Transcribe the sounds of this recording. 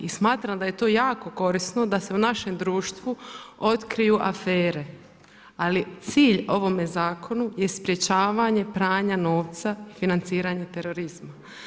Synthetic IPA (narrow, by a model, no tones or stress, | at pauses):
ismaːt̪ɾamd̪aje̞t̪o̞ːjaːko̞ko̞ɾisno̞d̪ase̞unaʃe̞md̪ɾuːʃt̪ʋuo̞t̪kɾijuʔafeːɾe | alit̪siːʎo̞ʋo̞me̞zaːkʰo̞nuje̞spɾje̞t͡ɕaːʋaɲe̞pɾaːɲano̞ːʋt̪saifinant̪siːɾaɲe̞t̪e̞ɾo̞ɾizma